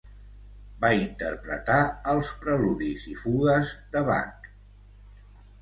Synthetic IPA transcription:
baint̪ə̰ɾpɾə̰t̪aəlˠspɾəluðizifuɣəzd̪əβa̰ŋk

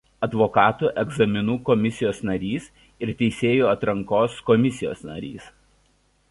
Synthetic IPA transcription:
ɐd̪ʋɔkɑːt̪uːʔɛɡzɐmʲɪnuːkɔmʲɪsʲɪjoːsnɐɾʲiːs | ɪɾt̪ʲɛɪsʲeːjuːɐt̪ɾɐŋkoːskɔmʲɪsʲɪjo̰ːsnɐ̰ɾʲḭːs

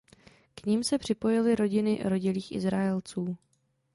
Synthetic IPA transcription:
kɲimsɛpr̝̥ɪpo̞jɪlɪɾo̞ɟɪnɪɾo̞ɟɪliːxʔɪ̰zɾaɛlt͡suː

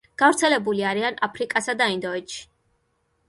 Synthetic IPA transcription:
ɡ̥avɾt̪sʰɛlɛbuliaɾianapʰɾikʼasad̪aind̪ɔɛt̪ʃi̥

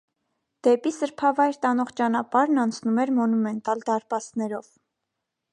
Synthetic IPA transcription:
d̪̥ɛpisəɾpʰɑvɑjɾt̪ɑnɔʁt͡ʃɑnɑpɑɾnɑnt͡sʰnumɛɾmɔnumɛnt̪ɑld̪ɑɾpɑsnɛɾɔv

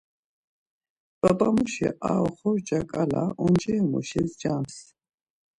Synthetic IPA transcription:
bʼapʼamuʃɛʔaɔχɔɾd͡ʒakʼalaʔɔnd͡ʒɛɔmɔʃɛsd͡ʒams

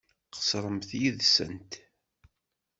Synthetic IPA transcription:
qə̥sɾˤəmθjiðsə̰nt̪

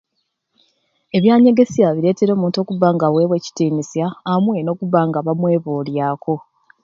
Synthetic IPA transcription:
e̞βjaːɲe̞ɡe̞sjaβiɾe̞ːte̞ɾo̞ːmuːnto̞ːkuβaːŋɡawe̞βwe̞ːci̥tiːnisjaːmwe̞no̞ːkuβaːŋɡaβamwe̞ːβoːljaːko̞

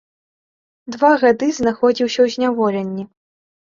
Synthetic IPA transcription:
d̪vaɣad̪ɨznaxɔd͡zʲiwsʲɐwzʲnʲavɔlʲɛnʲːi

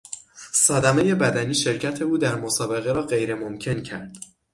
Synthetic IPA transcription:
sɒːd̪æme̞je̞bæd̪æniːʃe̞ɾcʰæt̪ʰe̞uːd̪æɾmosɒːbe̞ɣe̞ɾɒːɢe̞jɾe̞momcʰe̞ncʰæɾd̪̥

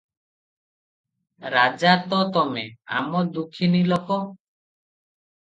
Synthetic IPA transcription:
ɾad͡ʒat̪ɔt̪ɔmea̰mɔd̪ukʰːinilɔkɔ

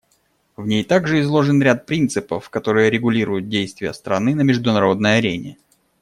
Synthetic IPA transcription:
vnʲejt̪aɡʐɨɪzlˠo̞ʐɨnɾʲat̪̚pɾʲint̪sɨpəfkɐt̪o̞ɾɨjəɾʲɪɡʊlʲiɾʊjʊt̪̚dʲejst̪vʲɪjəst̪ɾɐnɨnəmʲɪʐd̪ʊnɐɾo̞d̪nəjɐɾʲenʲɪ̰

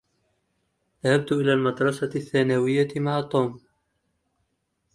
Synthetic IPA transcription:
ðahab̚t̪ʔɪlaːlmɑd̪ɾˤɑsaθːaːnawɪjːamaʕat̪ˤːuːm

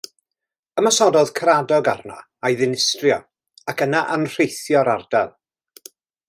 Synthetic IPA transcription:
əmasɔdɔð̥kʰəɾadɔɡarna̰ | ajðɪnɪstrjɔ | akənaʔanr̥ejθjɔɾard̥ɛlˠ

